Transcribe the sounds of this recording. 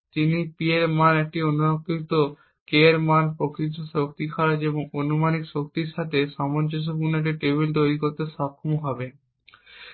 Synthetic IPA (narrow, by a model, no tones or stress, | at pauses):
t̪inipieɾmanek̚ʈionunokːɾit̪o | keɾmanpɾokɾit̪ːoʃok̚t̪ikʰaɾad͡ʑeboŋonumanikʃok̚t̪iɾʃat̪ʰeʃamond͡ʑos̬opuɾnekʈiʈeβilt̪̬ojɾikoɾt̪eʃakʰːumoɦɔbe